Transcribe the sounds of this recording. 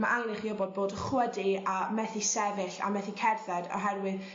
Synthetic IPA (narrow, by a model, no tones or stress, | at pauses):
maʔaŋlɨχiɔbɔd̚boːdəχwədiamɛθisɛvɨɬa̰mɛθikʰɛrθɛdɔ̰ɦɛrwɨð